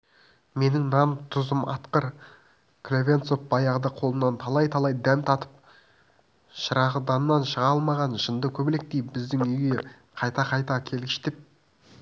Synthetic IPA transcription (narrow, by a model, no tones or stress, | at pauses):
me̞nɪŋnɑnt̪ʰʊzəmʔɑ̰t̪qəɾ | kʰlʲevʲe̞nt̪sofbɑjɑʁəd̪ɑqʰo̞lˠənːɑnt̪ʰɑlˠɑjt̪ʰɑlˠɑjd̪æmt̪ʰɑt̪ə̥p̚ | ʃəɾɑʁəd̪ɑnənːɑnʃəʁɑɑlˠmɑʁɑnʃənd̪əkʲʰɵbɪlek̚t̪ejbɪzd̪ɪŋʏjɡʲe | qʰɑjt̪ɑqʰɑjt̪ɑkʲʰe̞lɡʲɪʃt̪ep̚